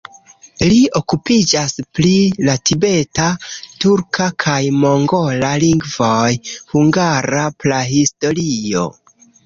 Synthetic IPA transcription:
liʔo̞kupid͡ʒasplilatibe̞tatuɾkʰakʰajmo̞ŋɡo̞laliŋɡvojhuŋɡaɾaplaɦisto̞ɾio̞̰

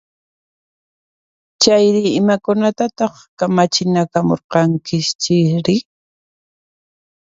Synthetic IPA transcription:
t͡ʃajɾɪɪmakʊnat̪at̪ɑχkamat͡ʃɪnakamo̰ɾqɑŋkɪʃt͡ʃɪɾɪ

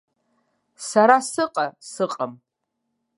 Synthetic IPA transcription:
saɾasɨqʼasɨqʼam

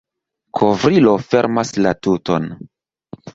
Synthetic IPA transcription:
kʰo̞vɾilo̞fe̞ɾmaslatuto̞̰n

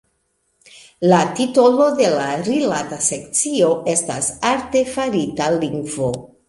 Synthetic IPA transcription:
latito̞lo̞de̞laɾilatase̞k̚t͡sio̞ʔe̞stasaɾte̞faɾitaliŋɡvo̞

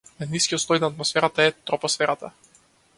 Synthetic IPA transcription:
ɛniskʲijɔt̪st̪ɔjnaːt̪mɔsfɛɾat̪aɛt̪ɾɔpɔsfɛɾat̪a̰

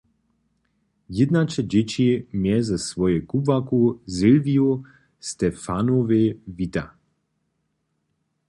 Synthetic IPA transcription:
jɪd̪nat͡ʃɛd͡ʒet͡ʃimjɛzasʋɔjɛkubvakuzɪlviu | st̪ɛfanovevit̪a̰

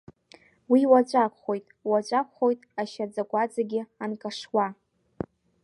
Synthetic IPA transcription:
wiwat͡ʃʷʼakʷʰʼχo̞jtʼwat͡ʃʷʼakʷʰʼχo̞jtʼaʃad͡zakʷʼad͡zaɡʲɪankʼaʂwa

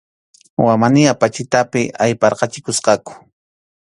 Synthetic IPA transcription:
wamanɪapat͡ʃɪt̪apɪʔajpɑɾqɑt͡ʃɪkʊsqɑkʊ̥

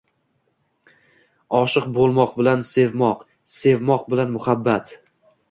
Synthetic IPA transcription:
ɒʃɨqbolˠmɒqbɪlanse̞vmɒq | se̞vmɒqbɪlanmʊhabːat̪

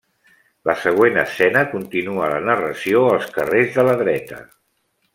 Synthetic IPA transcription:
ləsəɣ̞wenə̰sɛnəkunt̪inuələnərəsioəlˠskərezðələðɾɛt̪ə̰

